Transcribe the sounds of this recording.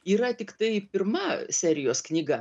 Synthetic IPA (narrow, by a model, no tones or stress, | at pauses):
iːɾɐt̪ʲɪkt̪ɐɪpʲɪrmɐsʲæːɾʲɪjoːsknʲiːɡɐ